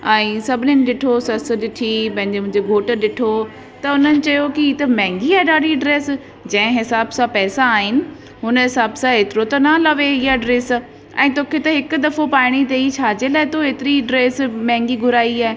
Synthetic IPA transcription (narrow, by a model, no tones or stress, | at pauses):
ɛ̃ːsɐbʱɪnɪnɪ̆ɗɪʈʰosɐs̆ɗɪʈʰipɐ̃ɦɪ̃ɲd͡ʑemʊ̃ɦɪ̃ɲd͡ʑeɡʱoːʈəɗɪʈʰo | t̪ɐʊnənɪ̆t͡ɕɐjokiiːt̪ɐmɛ̃ːŋɡiaːɗaːɽiɖɾeːs | d͡ʑɐ̃ɦɪ̃ɦɪsaːbsãpɛːsãːɦɪnɪ̆ | ɦʊnəɦɪsaːbsãeːt̪ɪɾot̪ɐnalɐʋeiɦaɖɾeːs | ɛ̰̃ːt̪oːkʰet̪ɐɦɪkʊd̪ɐfopaːɪɽ̃it̪eit͡ɕʰaːd͡ʑelaːɪt̪oeːt̪ɪɾiɖɾeːsmɛ̃ːŋɡiɡʱʊɾaːiaːe